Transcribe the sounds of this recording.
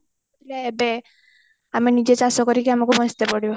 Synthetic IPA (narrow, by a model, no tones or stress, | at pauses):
t̪ilaebe | aminid͡ʒet͡ʃasɔkɔɾikiamakubɔst̪epɔɽibɔ